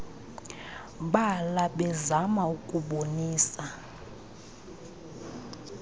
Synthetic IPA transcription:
ɓalaɓɛzamaukʼuɓoniːsa

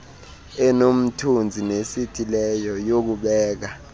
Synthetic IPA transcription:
ɛnom̩tʰund͡zʱinesitʰʼilɛjɔjok̬uɓɛːk̬a

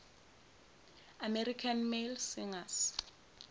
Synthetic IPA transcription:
amerikʰanmelsɪŋas

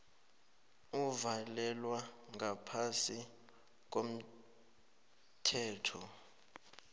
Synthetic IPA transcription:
uvalɛlwaŋapʰasi | k̬ʼom̩ | tʰɛːtʰɔ

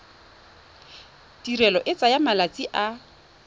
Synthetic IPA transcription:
dirɛlɔʔɪt͡sʼajamalat͡sʼiʔa

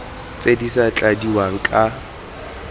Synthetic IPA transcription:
t͡sʼedisat͡ɬʼadiwaŋ̩kʼa

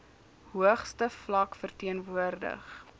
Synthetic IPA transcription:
ɦuəχstəflɐkfərtiənvuərdə̰χ

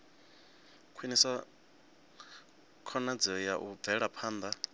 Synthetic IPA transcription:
kʰwinisa | kʰɔnad͡zɛɔjaʔub̪vɛɺapʰaːnd̪a

